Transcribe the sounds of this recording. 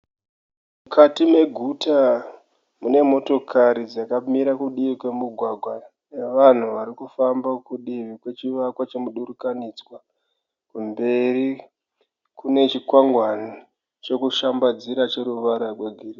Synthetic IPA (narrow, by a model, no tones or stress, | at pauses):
mukʰatime̞ɡʱuta | mune̞mo̞to̞kʰaɾid͡zakamiɾakuɗiʋikwe̞muɡʱwaɡʱwa | ne̞ʋan̤uʋaɾikufambakuɗiʋikwe̞t͡ʃiʋakwat͡ʃemuɗuɾukanid͡zwa | kumbe̞ri | kune̞t͡ʃikwaŋɡwani | t͡ʃo̞kuʃambad͡ziɾat͡ʃe̞ɾuʋaɾakweɡʱiri